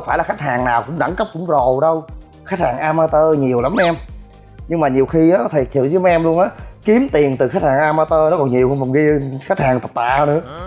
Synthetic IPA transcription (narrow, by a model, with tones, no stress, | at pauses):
faː˧˩jla˨˩xa˦˥jk̚haː˨˩ŋnaː˨˩wkʊ̰˧˥ŋ͡mɗa̰˧˩˦ŋkə˦˥p̚kʊ̰˧˥ŋ͡mzo˨˩ɗə˧w | xa˦˥t̚haː˨˩ŋʔaː˧maː˧t̪əː˧ɲi˨˩əwla˨˦mʔɛ˧m | ɲɨ˧ŋmaː˨˩ɲi˨˩əwxi˧aː˨˦t̪ʰe˨˩t̪ʰi˨˧˩wzɨ˨˦jma˦ʔɛ˧mlu˧ənʔaː˨˦ki˨˦əmt̪i˨˩ənt̪ɨ˨˩xa˦˥t̚haː˨˩ŋʔaː˧maː˧t̪əː˧nɔ˨˦˥kɔ˨˩nɲi˨˩əwhɔ˨˩nɣi˧xa˦˥k̚haː˨˩ŋt̪ə˨˩t̪a̰ː˧˨˧nɨ̰˧˦ə˦